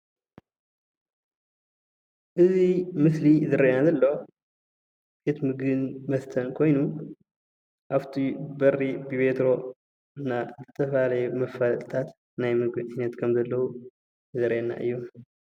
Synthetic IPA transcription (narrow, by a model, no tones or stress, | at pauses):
ʔɨzimɨslizɨɾʔenazɐlːɐwo | b̥e̞t̪mɨɡɨnmɐst̪ʰɐnkʰo̞jnu | ʔaβt̪ʰibɐrːibɨβe̞t̪ɾo̞ | ɨnːazɨt̪ʰɐfalajumɐfːalt̪ʼt̪ʰat̪ | najmɨɡɨajnɐt̪kʰɐmzɐlːɐhu | zɨɾʔenːa̰ʔɨ̰jːu